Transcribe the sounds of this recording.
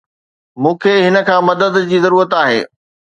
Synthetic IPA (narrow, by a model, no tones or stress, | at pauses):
mũːkʰeːɦɪnə̆kʰãːmɐd̪əd̪d͡ʑiːzɐɾuːɾət̪aːɦḛː